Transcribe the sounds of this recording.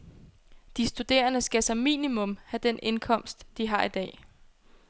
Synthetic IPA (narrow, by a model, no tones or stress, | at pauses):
d̥isd̥ud̥e̝̰ːɐnəsɡ̥æsɑ̈mḭːnimɔ̽mhæd̥ene̝nkʰɒ̽m̰sd̥ːiɦɑ̈id̥ɛ̰ː